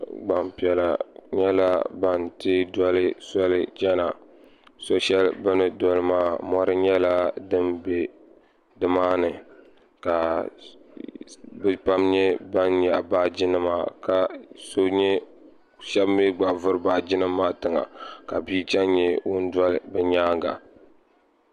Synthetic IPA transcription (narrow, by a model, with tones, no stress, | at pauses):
ɡ͡ba˨mpi˨ɛ˨la˨ɲɛ˦la˦ba˨ntɨ˦dɔ˦lɨ˦sɔ˦lɨ˦d͡ʒɛ˦na˨ | so˦ʃɛ˦lbɨ˦nɨ˨dɔ˦lɨ˦maː˦mɔ˦ɾɨ˦ɲɛ˦la˦dɨ˦mbe˨ | dɨ˨maː˦nɨ˨ | ka˨ | bpa˦mɲɛ˦ba˦nɲa˨baː˦d͡ʒɪ˦nɨ˦maː˦ka˨so˦ɲɛ˦ | ʃɛ˦bmɛ˦ɡ͡ba˨vʊ˦ɾɨ˦baː˦d͡ʒɪ˦nɨ˦mːaː˦tɨ˨ŋa̰˨ka˨bi˦t͡ʃɛ˦nɲɛ˦wʊ˦n˦dwɔ˦lɨ˨bɛ˨ɲaː˦ŋɡa̰˨